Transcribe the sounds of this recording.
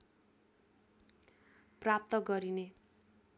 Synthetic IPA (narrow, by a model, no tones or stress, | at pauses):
prap̚t̪ʌɡʌɾine